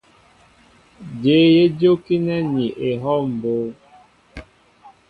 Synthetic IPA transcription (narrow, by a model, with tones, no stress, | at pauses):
d͡ʒe˨˦je˦d͡ʒo˦ki˦nɛ˦ni˨ʔe˨ɦɔ˦m̩˨bo˦